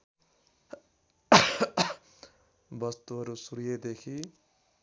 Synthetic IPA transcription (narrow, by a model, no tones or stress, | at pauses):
bʌst̪uɦʌɾusuɾijed̪ekʰi